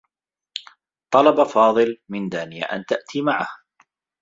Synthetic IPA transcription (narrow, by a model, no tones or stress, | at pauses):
t̪ˤɑlɑbafɑːðˤɨlmɪnd̪aːnɪja̰ʔa̰nt̪aʔt̪ʰiːmaʕah